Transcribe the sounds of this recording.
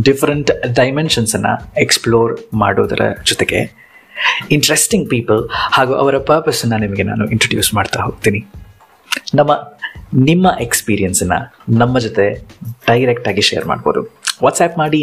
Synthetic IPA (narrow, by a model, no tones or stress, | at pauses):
ɖifʰɐɾɐɳʈɖɐjmenʃɐnsɐnːɐ̰eksploːɾma̰ːɽoːd̪ɐ̰ɾɐ̰d͡ʒɔt̪eɡe̞̰ | iɳʈɐɾesʈiŋɡ̚piːpɐlhaːɡuːʔɐ̰ʋɐɾɐpɐɾpɐsɐnːɐnimɐɡe̞na̰ːnuʔiɳʈɾɐɖjṵːsmaːɖt̪aɦoːɡ̚t̪iːni | nɐmːɐnimːɐʔekspiːɾijɐnsɐnːɐ̰nɐmːɐd͡ʒot̪e̞ɖ̥ɐjɾek̚ʈaːɡiʃɛjːɐ̰ɾma̰ːɖboːd̪ṵʋaːt̪sɛːpmaːɽi